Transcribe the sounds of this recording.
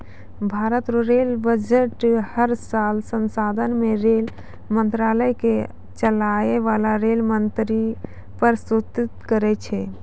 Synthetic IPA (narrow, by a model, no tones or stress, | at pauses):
bʱaɾət̪ɾoɾelbəd͡ʒeʈhəɾsalsənsad̪ʱənmeɾel | mənt̪ɾaləjke | t͡ʃəlaeʋalaɾelmənt̪ɾi | pəɾsut̪it̪kəɾɛt͡ʃʰɛ